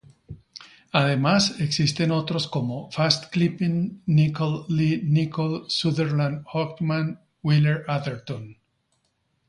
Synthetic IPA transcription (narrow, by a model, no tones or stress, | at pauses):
aðe̞mase̞ksist̪e̞no̞t̪ɾo̞sko̞mo̞fast̪klipinːikolːinikolsuðeɾlãnd̪hok̪mãn | wileɾaðeɾt̪õn